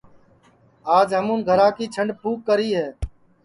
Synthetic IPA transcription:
aːd͡ʒɦəmũːnɡʱəɾaːkiːt͡ʃʰəɳɖpʰuːkːəɾiːɦeː

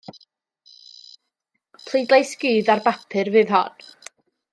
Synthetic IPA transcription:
pʰl̥ˠejdlˠejsɡɨːðarbapʰɨrvɨːðɦɔn

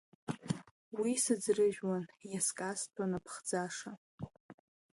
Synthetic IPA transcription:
wisɨd͡zrɨʒᶣwanjaskʼastʰanapʰχd͡zaʂa

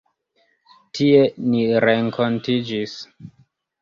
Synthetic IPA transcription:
tʰie̞niɾeŋko̞ntid͡ʒis

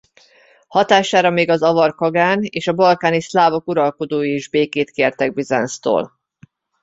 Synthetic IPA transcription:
hɒt̪aːʃaːɾɒmeːɡɒzɒvɒrkɒɡaːneːʃɒbɒlkaːnislaːvo̞kuɾɒlko̞d̪oːjiiʒbeːkeːt̪keːrt̪ɛɡ̚bizɛ̰nst̪o̰ːl

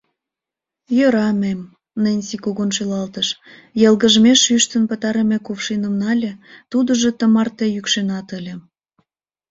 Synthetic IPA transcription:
jøɾɑmem | nənʲsikuɣonʃelɑlt̪əʃ | jəlɣəʒmeʃyʃt̪ənpət̪ɑɾemekufʃinəmnɑlʲĕt̪ud̪əʒe̽t̪əmɑrt̪ejykʃenɑt̪əlʲĕ

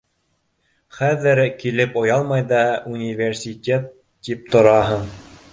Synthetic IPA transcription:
χæðɘɾkilɘpŏjɑlˠmɑjðɑunʲivʲersʲit̪ʲet̪ː | ip̚t̪ŏɾɑɦɤɴ

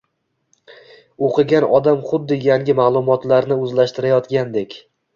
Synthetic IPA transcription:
oqʰɨɡʲanɒd̪amχʊd̪ːɪjaŋɡʲɪmaːlˠʊmɒt̪laɾnɪɵzlaʃt̪ɪɾajɒt̪ɡʲand̪e̞kʲ

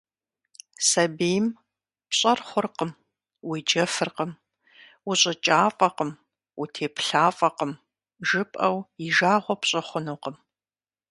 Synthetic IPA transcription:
sɐbeːjm | pɕʼɐrχʷʊrqəm | wid͡ʒɐfɨrqəm | wʊɕʼɐt͡ʃʼaːfʼɐqəm | wutʰeːpɬaːfʼɐqəm | ʒɨpʼɐwiʒaːʁʷɔpɕʼɐχʷʊnuːqəm

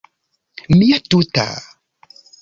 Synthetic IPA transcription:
mijatuta̰

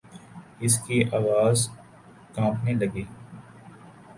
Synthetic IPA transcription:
ɪskiʔaːʋaːz | kãːpnelɐɡeː

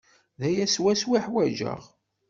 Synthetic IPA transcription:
ðæjæswæswiħwæʒə̰ʁ

